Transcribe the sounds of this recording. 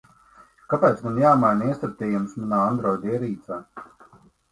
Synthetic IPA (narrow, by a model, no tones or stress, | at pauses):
kapʲɛːt̪smanjaːmajniɛst̪aɾ̚t̪ʲɛːjumsmanaːand̪ɾɔwd̪ʲiɛɾiːt̪saː